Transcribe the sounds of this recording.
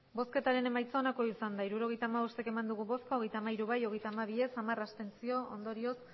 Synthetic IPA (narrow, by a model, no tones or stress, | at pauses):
bo̞ske̞t̪aɾe̞ne̞majt͡soonako̞isand̪aiɾuɾo̞ɣe̞jt̪aːmaβost̪e̞ke̞mand̪uɣ̞uβo̞skoɣe̞jt̪amaiɾuβajo̞ɣe̞jt̪aːmaβ̞ie̞samarast̪e̞nt͡sio̞ʔond̪o̞ɾio̞s